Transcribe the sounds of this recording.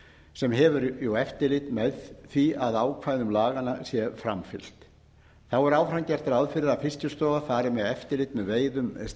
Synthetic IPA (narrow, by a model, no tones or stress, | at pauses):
sɛmɦɛvʏɾjowɛft̪ɪlɪt̪mɛðθviaðaːwkʰvajðʏmlaːɣanasjɛfɾamfɪl̥t̪ | θawɛɾaːwfɾamcɛr̥t̪aɾaðfɪɾɪɾafɪscʏst̪ɔːɣafaːɾɪmɛðɛft̪ɪɾlɪt̪mɛðveːjðʏm